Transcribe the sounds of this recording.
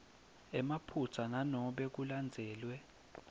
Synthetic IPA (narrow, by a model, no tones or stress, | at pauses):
ɛmapʰut͡sʰananɔɓɛk̬uland͡zʱɛːlwɛ